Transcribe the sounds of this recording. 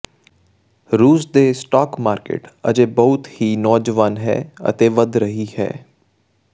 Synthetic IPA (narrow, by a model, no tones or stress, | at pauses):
ɾuːsd̪eːsʈɔːkmaːɾkḛːʈə̰d͡ʒeːbəʊt̪hiːnɔːd͡ʒʋaːnɦɛ̰ːə̰t̪eːʋəd̪ɾəɦiːhɛ̰ː